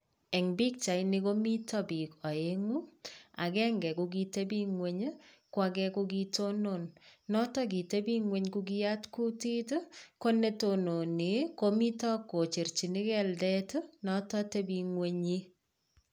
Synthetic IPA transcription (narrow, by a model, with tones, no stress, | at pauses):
ɛ˨ŋbi˦k̚t͡ʃa˨jnɪ˦ko˦mi˦tɔ˦bi˨kɔ˨e˦ŋu˦a̰˨kɛ˦ŋɡɛ˨kʊ˦ɡi˦te˦bi˦ŋwe˦ɲ˦ | kwa˦ɡɛ˦kʊ˦ɡi˦to˦no˦˨nnɔ˦tɔ˦ɡi˨te˦bi˦ŋwe˦ɲkʊ˦ɡɪ˦a˦tku˦ti˦tko˦ne˦to˨no˨ni˨ko˦mi˦tɔ˦kːo˨t͡ʃe˨ɾt͡ʃi˨nɪ˦kɛ˦ldɛ˦tnɔ˦tɔ˦te˦bi˦ŋwe˦ɲi˦